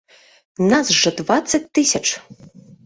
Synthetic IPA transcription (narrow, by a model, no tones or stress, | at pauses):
nazʐɐd̪vat̪sːɐt̚ʲt̪ɨsʲɐt͡ʂ